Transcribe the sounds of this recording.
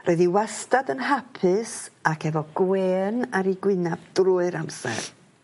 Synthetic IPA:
rʔoɨðiwastadənhapʰɨsakʰɛvɔɡ̥weːnaɾiɡwɪnab̚d̥ruːɨɾamsɛ̰r

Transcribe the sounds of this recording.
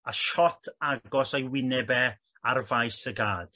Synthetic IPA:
aʃɔtʰaɡɔsajwɪnɛbɛ | arvajsəɡaːd̥

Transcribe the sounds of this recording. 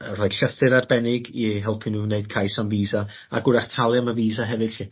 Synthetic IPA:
rɔɨd̥ɬəθɨɾadbɛnɪɡiɦɛlˠpʰɪnuneɨd̚kʰajsamviːza | a̰ɡʊɾaχtʰalˠjaməviːzaɦɛvɨd̥ɬi

